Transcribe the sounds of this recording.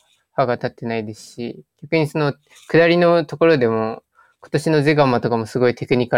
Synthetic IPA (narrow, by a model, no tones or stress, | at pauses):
ɸaɡat̪at̪ːe̞naid̪e̞sɨ̥ɕiɡ̥ʲakɯ̟ɲ̟iso̞no̞ | kɯ̟d̪aɾʲino̞t̪o̞ko̞ɾo̞d̪e̞mo̞ | ko̞̥t̪o̞ɕino̞ze̞ɡamat̪o̞kamo̞sɨɡo̞it̪e̞kɯ̟ɲ̟ika